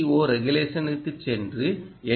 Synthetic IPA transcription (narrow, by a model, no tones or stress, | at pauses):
oːɾɛɣɯleːʂɐnɯt̪ːɯt͡ʃɛndrɯ | ɛ